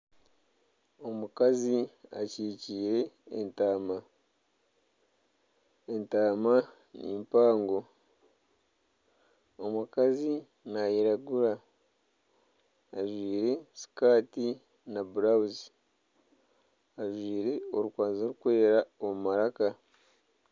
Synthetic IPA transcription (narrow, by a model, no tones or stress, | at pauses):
o̞mukazia̰ciːciːɾe̞ːntaːma | entaːma | nḭmpaːŋɡo̞ | omukazi | najiɾaɡuɾa | aʒwiːɾe̞si̥kaːti | nabuɾawuzi | aʒwiːɾe̞o̞ɾukwaːnzoɾukwe̞ːɾaomumaɾaka